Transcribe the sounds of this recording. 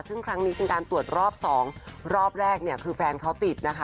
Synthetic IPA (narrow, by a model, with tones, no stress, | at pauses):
sɯ˥˩ŋkʰɾa˦˥ŋniː˦˥pe˧nkaː˧nt̪u˨˩ət̪̚ɾɔː˥˩p̚sɔː˩˦ŋɾɔː˥˩p̚ɾɛː˥˩k̚ni˥˩əkʰɯː˧fɛː˧nkʰa˦˥wt̪i˨˩t̪̚na˦˥kʰa˦˥